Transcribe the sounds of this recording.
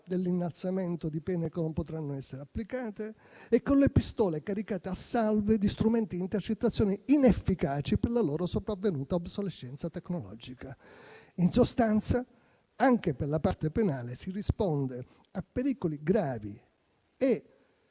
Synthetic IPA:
d̪elːinːalt̪sament̪od̪ipɛːnekenompot̪ɾanːoɛsːeɾeapːlikaːt̪eː | kːonlepist̪ɔːlekaɾikaːt̪easːalved̪ist̪ɾumɛnt̪iint̪ert͡ʃet̪ːat̪sːjɔːniinefːikaːt͡ʃiperlaloːɾosopɾavːenuːt̪aabsoleʃːɛnt̪sat̪ekːnolɔ̰d͡ʒika | insost̪ant̪sa | aŋk̟eperlapart̪epenaːlesirispond̪e | apːeɾiːkoliɡɾaːvḭ | e

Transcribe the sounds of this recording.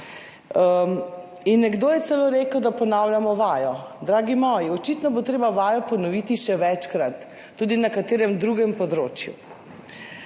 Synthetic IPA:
inːɛɡd̪oːjɛt̪sɛloːɾeːkəwd̪apɔnawlʲjamɔʋaːjɔd̪ɾaːɡimɔːjiɔt͡ʃit̪nɔbot̪ɾeːbaʋaːjɔpɔnɔʋiːt̪iʃɛʋɛt͡ʃkɾat̪ː | uːd̪inakat̪eːɾɛmd̪ɾuɡɛmpɔd̪ɾo̰ːt͡ʃjṵ

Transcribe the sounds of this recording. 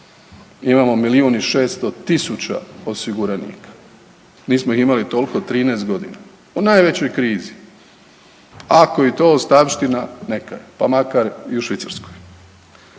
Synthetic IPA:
imamo̞miliuniʃe̞ːst̪o̞t̪isut͡ɕa̰o̞siɡuɾanḭːkḁ | niːsmo̞iximalit̪o̞lko̞t̪ɾiːneːst̪̚ɡo̞d̪ḭna | unaːjʋe̞t͡ɕo̞jkɾiːzi | ako̞it̪o̞ːst̪aʋʃt̪inane̞kajepamakaɾiuʃʋit̪saɾskoj

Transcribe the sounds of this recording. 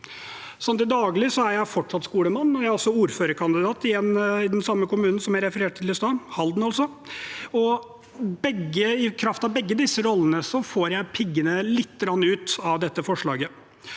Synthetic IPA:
sɔnt̪ɪd̪ɑːɡlɪsɔæɾjæɪfɔʈːʂɑt̪skuːləmɑnːɔɾjæɪɔsːɔuːɾføːɾəɾkʰɑnd̪ɪd̪ɑːt̪ɪjɛnːɪd̪ɛnsɑmːəkʊmʉːnn̩sɔmjæɾɛfəɾeːʈ̚t̪ʰɪlɪst̪ɑːhɑld̪n̩ɑlsɔ | ɔ | bɛɡːəɪkʰɾɑft̪ɑʋbɛɡːəd̪ɪsːəɾɔlːənəsɔfoːɾjæɪpʰɪɡːənəlɪt̪ːəɡɾɑnːʉːt̪ɑʋd̪ɛt̪ːəfɔʂɭɑːɡə

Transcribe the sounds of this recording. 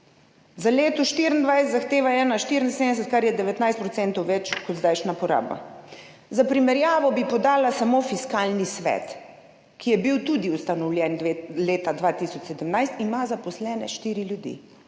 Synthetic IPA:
zaleːt̪ɔʃt̪iɾind̪ʋajsɛt̪zaxt̪eːʋaɛːnaʃt̪iɾinseːnd̪ɛs̬ɛt̪̚kaɾjɛd̪ɛʋɛt̪najst̪̚pɾɔtsɛnt̪ɔwʋɛt͡ʃkɔd̪zd̪ajʃnapɔɾa̰ːba̰ | zapɾimɛɾjaːʋɔbipɔd̪aːlasamofiskaːlnisʋɛ̰t̪ | kijɛbiwt̪ud̪iust̪anɔwlʲjɛnleːt̪ad̪ʋat̪isɔt͡ʃsɛd̪əmnajst̪imazapɔslɛːnɛ̰ʃt̪iːɾiljud̪ḭ

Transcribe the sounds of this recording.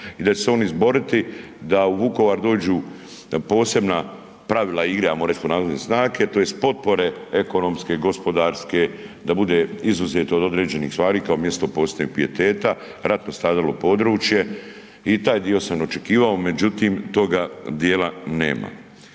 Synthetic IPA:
id̪at͡ʃeseo̞ːnizbo̞ɾit̪i | d̪auʋuko̞ʋaːɾd̪o̞ːd͡ʑuː | po̞ːse̞bna | pɾaʋilˠaiɡɾamoɾeskonaːzoesnaːket̪oje̞st̪̚po̞t̪̚po̞ɾe̞e̞ko̞no̞mske̞ɡo̞spo̞d̪aːɾsked̪abud̪e̞izuzet̪oːd̪o̞d̪ɾe̞ːd͡ʑe̞niːxsʋaːɾiːkaomje̞st̪opoːset̪ɲok̚pie̞t̪e̞ːt̪a | ɾat̪no̞st̪ɾaːd̪alopo̞d̪ɾuːt͡ʃje̞ | it̪aːjd̪io̞samnot͡ʃekiːʋao̞me̞d͡ʑut̪iːmt̪o̞ɡad̪jeːlanḛːma̰

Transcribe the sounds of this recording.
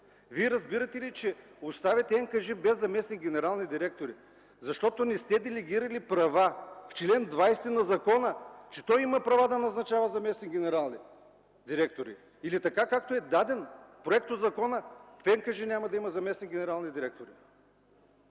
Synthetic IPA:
viɛɾɐzbiɾɐt̪ɛlit͡ʃɛʊst̪avʲɛt̪ɛɛŋkɐʒibɛzːɐmɛsniɡʲɛnɛɾalˠnid̪iɾɛk̚t̪oɾi | zɐʃt̪ɔt̪onist̪ɛd̪ɛlɛɡʲiɾɐlipɾɐvaft͡ʃlɛnd̪vajst̪ɛnɐzɐkɔnət͡ʃɛ̥t̪ɔjimɐpɾɐvad̪ɐnɐznɐt͡ʃavɐzɐmɛsniɡʲɛnɛɾalˠni | d̪iɾɛk̚t̪oɾḭː | lit̪ɐkakakt̪oɛd̪ad̪ɛnpɾoɛk̚t̪od̪zɐkɔnəfɛŋkɐʒinʲamɐd̪ɐimɐzɐmɛsniɡʲɛnɛɾalˠnid̪iɾɛk̚t̪oɾi

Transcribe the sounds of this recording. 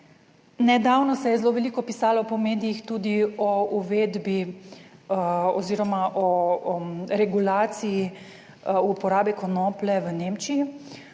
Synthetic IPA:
nɛd̪awnɔsɛjɛzloːʋɛlikɔpisaːlɔpɔmeːd̪ijixt̪uːd̪iɔuʋeːd̪bi | ɔziːɾɔmaʔɔ | ɾɛɡulaːt̪siji | upɔɾaːbikɔnɔːplɛʋəneːmt͡ʃiji

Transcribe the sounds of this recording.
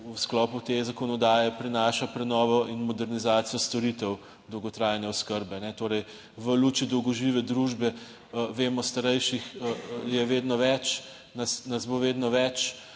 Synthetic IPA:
usklɔːput̪ezakɔnɔd̪aːjɛpɾinaːʃapɾɛnɔːʋɔʔinmɔd̪ɛɾnizaːt̪sijɔst̪ɔɾit̪ɛw | d̪ɔwɡɔt̪ɾajnɛɔskəɾbɛnɛt̪oːɾɛj | ʋəluːt͡ʃjid̪ɔwɡɔʒiːʋɛd̪ɾuːʒbɛ | ʋeːmɔst̪aɾɛjʃixjɛʋeːd̪nɔʋɛt͡ʃ | nasnɐzboʋeːd̪nɔʋɛt͡ʃ

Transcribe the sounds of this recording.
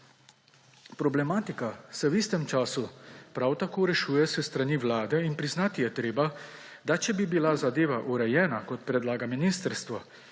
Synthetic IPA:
pɾɔblɛmaːt̪ikasɛwist̪ɛmt͡ʃaːsupɾawt̪akoːɾɛʃuːjɛsɛst̪ɾaniʋlaːd̪ɛinpɾiznaːt̪ijɛt̪ɾeːba | d̪at͡ʃɛbibilazad̪eːʋaʔuɾɛjɛːnakɔt̪̚pɾɛd̪laːɡaminist̪əɾst̪ʋa

